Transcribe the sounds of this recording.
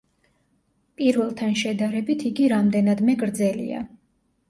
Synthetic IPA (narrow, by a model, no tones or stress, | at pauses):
pʼiɾvɛlˠt̪ʰanʃɛd̪aɾɛbit̪ʰiɡiɾamd̪ɛnad̪mɛɡɾd̪zɛlḭa̰